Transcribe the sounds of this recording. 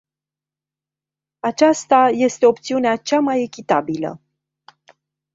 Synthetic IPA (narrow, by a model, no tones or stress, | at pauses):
at͡ʃast̪aje̞st̪e̞o̞p̚t̪siuneat͡ʃamaje̞kʲit̪abilə̰